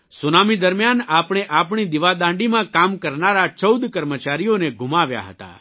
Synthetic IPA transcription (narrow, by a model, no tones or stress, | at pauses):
sunamid̪əɾmjanapɽ̃eʔap̬ɽ̃id̪iʋad̪ãɳɖimãkamkəɾnaɾat͡ʃəwd̪kəɾmət͡ʃaɾijoneɡʱumaʋja̰ɦə̰t̪a̰